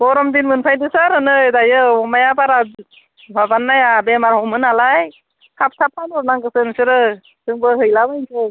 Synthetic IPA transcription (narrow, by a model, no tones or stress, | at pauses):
bɔɾɔmdinmɯnpʰajdɯsaɾɯnɯdajɯɔmajabaɾa | babanːajabemaɾhɔmɯnalaj | hʰap̚tʰap̚tʰanɔɾnaŋɡɯsɯnsɯɾɯ | sɯŋbɯɦɯjlabajnsʰɯ